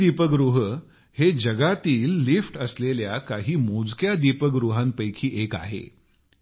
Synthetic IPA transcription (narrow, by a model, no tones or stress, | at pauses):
ipəɡɾuɦ | hed͡ʑəɡat̪iːlːifʈəsleljakaɦiːmod͡zkjad̪ipəɡɾuɦãnpəjkʰiːʔeka̰ɦḛ